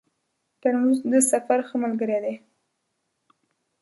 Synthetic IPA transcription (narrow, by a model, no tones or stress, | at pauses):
t̪aɽnuzd̪əsafaɾxəmalɡəɾed̪e